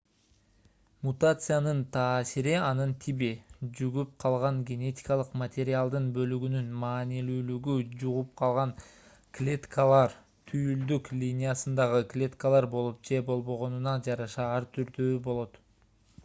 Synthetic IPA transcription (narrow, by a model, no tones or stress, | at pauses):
mut̪at̪sɨjanɯnt̪ʰɑːsiɾiɑnɯnt̪ʰibid͡ʒyɡyp̚qʰɑlˠʁɑŋɡʲe̞nʲe̞t̪ʲi̥kɑlˠɯqmɐt̪ʲe̞ɾʲɪalˠd̪ɯnbø̞lyɡynynmɑːnilyːlyɡyd͡ʒuʁup̚qʰɑlˠʁɑŋ | klʲe̞t̪kalˠɑɾ | t̪ʰyjyld̪yklʲinʲijasɯnd̪ɑʁɯklʲe̞t̪kalˠɑɾbo̞lˠup̚d͡ʒe̞bo̞lˠbo̞ʁo̞nunɑd͡ʒɑɾɑʃɑɑɾt̪ʰyɾd̪øːbo̞lˠo̞t̪